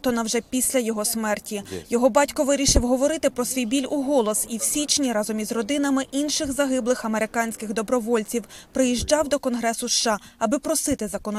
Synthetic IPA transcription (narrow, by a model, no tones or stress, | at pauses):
t̪ɔnɐwʒɛpʲisʲlʲɐjɔɦɔsmɛrtʲijɔɦɔbɑtʲkɔʋɪɾʲiʃɪwɦɔʋɔɾɪt̪ɪpɾɔsʋʲijbʲilʲuɦɔlˠɔsiwsʲit͡ʃnʲiɾɑzɔmʲizrɔd̪ɪnɐmɪʔinʃɪɣzɐɦɪblˠɪxɐmeɾɪkɑnʲsʲkɪɣd̪ɔbɾɔʋɔlʲt͡sʲiwpɾɪjiʒd͡ʒɑwd̪ɔkɔnɦɾɛsʊʃːɑɐbɪpɾɔsɪt̪ɪzɐkɔnɔ